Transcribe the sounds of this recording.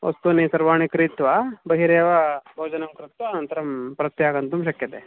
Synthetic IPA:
ʋɐ̰st̪unisɐɾʋaːɳikɾit̪ʋɐbɐɦiɾeːʋɐbʱɐːd͡ʒɐnɐmkɾit̪ʋaːnɐnt̪ɐɾɐmpɾɐt̪jaːɡɐnt̪umʃ̬ɐkjɐt̪e

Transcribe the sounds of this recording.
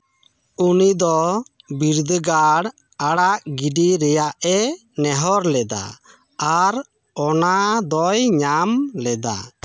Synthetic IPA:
unid̪ɔ | biɾd̪əɡaɽ | aɽaʔɡiɖiɾɛjaʔɛ | nɛɦɔɾlɛd̪a̰ | aɾ | ɔnad̪ɔjɲamlɛd̪a̰

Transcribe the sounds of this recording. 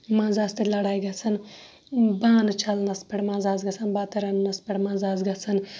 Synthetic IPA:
mɐ̃nzaːst̪ilɐɽajɡɐsʰɐn | baːnɨt͡ʃʰɐlnɐspeɽmɐnzaːzɡɐsɐnbaːt̪ɐɾɐnnɐspeɽmɐnzaːzɡɐsɐn

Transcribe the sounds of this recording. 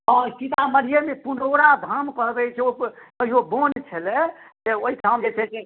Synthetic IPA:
ɦɔ̃t͡ʃit̪aməɾijemepunoɾad̪ʱamkəɦbɛt͡ʃʰɛokəɦiɦobont͡ʃʰəlɛt̪eoɦiʈʰamd͡ʒet͡ʃʰɛt͡ʃe

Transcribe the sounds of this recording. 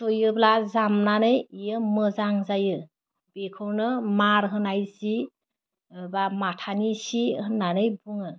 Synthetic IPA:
tojɯblazamnanɯjijɯmɯzaŋzajɯ | b̥ekʰɯwnɯmaɾɦɯnajsi | bamatʰanisihɯnːanɯjbuŋɯ

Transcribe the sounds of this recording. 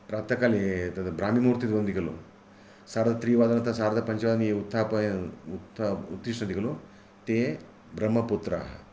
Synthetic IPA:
pɾaːpt̪ɐkaːlet̪ɐd̪ɐbɾaːmimuːɾt̪it̪ʋɐnd̪ikɐlṵ | saːɾɐd̪ɐt̪ɾiːʋaːd̪ɐnɐt̪ɐsaːɾɐd̪ɐpɐɲt͡ʃɐʋaːd̪ɐneut̪ʰːaːpɐjut̪ːut̪ɾiʂʈɳɐd̪ikɐlu | t̪e | bɾɐmɐput̪ɾa̰ɦɐ

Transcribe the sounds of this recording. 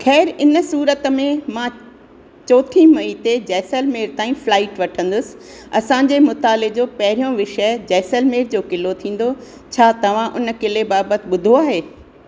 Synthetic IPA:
xɛːɾɪnəsuːɾət̪əmẽmã | t͡ɕɔːt̪ʰimɐit̪ed͡ʑɛːsəlmeːɾt̪aːĩflaːɪʈʋɐʈʰə̃nd̪ʊsɪ̥̆ | ɐ̰sãɲ̆d͡ʑemʊt̪aːled͡ʑoːpɐɦɪɾijõʋɪʃəd͡ʑɛːsəlmeːɾd͡ʑoːkɪlot̪ʰĩːn̆d̪o | t͡ɕʰaːt̪ɐʋ̤ãʔʊnkɪlebaːbət̪ɪ̆ɓʊd̪ʱoaːɦeː

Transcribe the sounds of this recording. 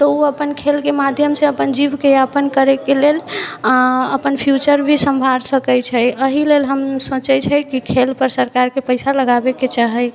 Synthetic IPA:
t̪ɔuəpənkʰelkemad̪ʱjəmseəpənd͡ʒibkejaəpənkəɾɛkelel | əpənpʰjut͡ʃəɾbʱisəmbʱaɾsəkəjt͡ʃʰəəɦilelɦəmsõt͡ʃɛt͡ʃʰəkikʰelpəɾsəɾkaɾkepəɪsaləɡabeket͡ʃaɦɛ

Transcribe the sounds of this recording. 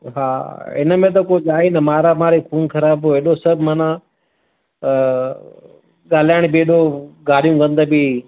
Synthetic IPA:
ɦaːɪ̰nəmẽt̪̬ɐkod͡ʒaːinɐmaːɾamaːɾekʰuːnkʰɐɾaːboeːɗosɐbʱmaːnã | ɠaːl̤aːɪɽ̃bɪeːɗoɡaːɽijũkɐ̃nd̪əbi

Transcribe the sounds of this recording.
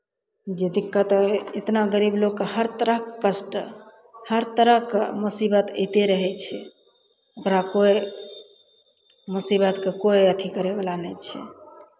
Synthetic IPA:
d͡ʒed̪ikːət̪ɔet̪naɡəɾibloɡkːehəɾt̪əɾəɦkkəsʈ | həɾt̪əɾəɦkmusibət̪ḛjt̪eɾəɦɛt͡ʃʰɛ | okɾakoe | musibət̪kekoeət̪ʰikəɾebəlanət͡ʃʰɛ̰

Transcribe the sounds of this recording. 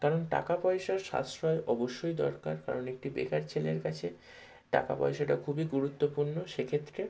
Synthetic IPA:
kaɾonʈa̰kapɔeʃaɾʃa̰sɾɔeʔɔboʃːojd̪ɔ̰ɾka̰ɾka̰ɾonek̚ʈibḛkaɾt͡ɕʰeleɾkat͡ɕʰe | ʈa̰ka̰pɔ̰eʃaʈ̬akʰubiɡuɾut̪ːopuɾnoʃekʰet̪ːɾe

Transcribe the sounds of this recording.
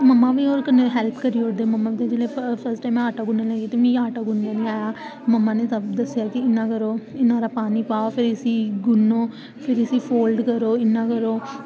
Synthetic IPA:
məmːãːʋiːoːɾkəneɦɛːlpkəɾiːoɽd̪eməmːaːʋiːt̪ẽd͡ʒɪlepʰəɾsʈaːmɛ̃aːʈaːɡʊnːeːlɛ̃ːɡiːt̪emĩːaːʈaːɡʊnːãːnĩːaːjaː | məmːãːneːt̪əbd̪əsɪjaːkɪɪnːãːkəɾoːɪnãːɾaːpaːniːpaːoːpʰɪɾɪsiːɡʊnːoː | pʰɪɾɪsiːpʰoːlɖkəɾoːɪnːãːkəɾoː

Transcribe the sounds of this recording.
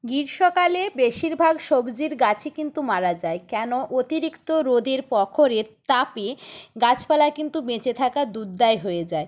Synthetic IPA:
ɡiɾʃɔkalebeʃiɾbʱaɡʃobd͡ʑiɾɡat͡ɕʰikint̪umaɾad͡ʑaekɛnoʔot̪iɾikt̪oɾod̪eɾpɔkʰoɾeɾt̪apiɡat͡ɕpalakint̪umet͡ɕet̪ʰakad̪uɾd̪aeɦoed͡ʑae

